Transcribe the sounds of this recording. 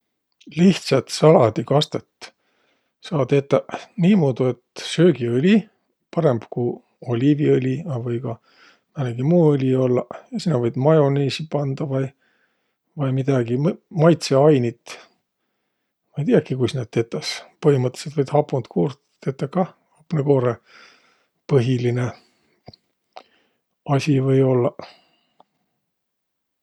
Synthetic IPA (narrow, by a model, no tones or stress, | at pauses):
liht̪sɑt̪sɑlɑd̪ikɑst̪e̞t̪ | sɑːt̪et̪ːˑɑniːmoːd̪ue̞t̪sø̞ːɡiølʲi | pɑɾe̞mb̥ku | o̞lʲiviølʲiɑvɤjɡɑ | mæneɡ̥imuːɤlʲio̞lːɑjɑsinːɑvɤjd̪mɑjo̞neːsipɑnd̪ɑvɑj | vɑjmid̪̥ɑɡ̥immɑjt̪se̞ɑjnit̪ | mɑjt̪iɑkːikujsned̪̚t̪e̞t̪ːˑɑspɤɦimɤt̪ːˑeset̪vɤjd̪hɑpːunt̪kʰuːrt̪t̪ːet̪ːˑɑkɑ | hɑpneko̞ːɾe | pɤɦiline̞ | ɑsʲivɤjo̞lːɑ